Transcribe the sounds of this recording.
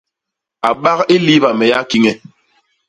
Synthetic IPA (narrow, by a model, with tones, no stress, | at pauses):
a˨ɓa˦ɣi˦li˦βa˨mɛ˨ja˦ki˦ŋɛ˨